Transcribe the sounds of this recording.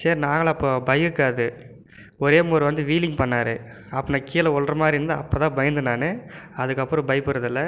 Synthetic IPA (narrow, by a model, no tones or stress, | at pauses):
saːɾnaːŋɡɐɭɐpːoːbɐjɯkːaːðɯ | ɔɾeːmoːɾʋɐnd̪ɯʋiːlɪŋɡpɐɳːaːɾɯ | ɐpːɐnaːkiːlɐɔldrɐmaːd̪ɾiɾɯnd̪aɐpːoːt̪ãːbɐjɐnd̪ɯnaːnɯɐðɯkːɐpːɯɾɐ̃bɐɪpːɯɾɐðɯlːɐ